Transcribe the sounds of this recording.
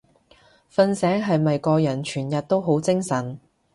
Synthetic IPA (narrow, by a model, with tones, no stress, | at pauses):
fɐ˧nsɛː˨˥ŋɦɐ˨jmɐ˨jkɔː˧jɐ˨˩nt͡ʃʰyː˨˩njɐ˨t̚t̪o˥wɦo˨˥wt͡sɪ˥ŋsɐ˨˩n